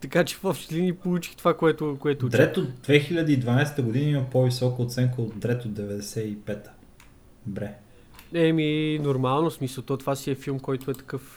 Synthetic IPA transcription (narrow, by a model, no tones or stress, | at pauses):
t̪ɐkat͡ʃɛ̥fɔpʃt̪linipolˠut͡ʃi̥xt̪ovakoɛt̪ʊkoɛt̪ʊd̪ɾɾɛt̪ot̪̚d̪vɛxilʲəd̪əid̪vɐnajsɛ̥t̪əɡʊd̪inəiməpɔvisɔkəot̪sɛŋkəot̪̚d̪ɾɛt̪od̪ɛvɛd̪ɛsɛipɛt̪ə̥ | bɾɛ | ɛminoɾmalˠnosmisəlˠt̪ɔt̪ovasiɛfilˠmkɔjt̪ʊɛt̪ɐ̥kɤf